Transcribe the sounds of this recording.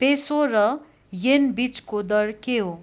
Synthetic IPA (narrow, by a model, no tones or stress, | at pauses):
pesorʌ | jenbit͡skod̪ʌɾkeɦo